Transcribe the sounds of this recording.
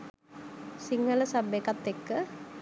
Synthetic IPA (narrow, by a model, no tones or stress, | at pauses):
siŋələsabekat̪ːekːə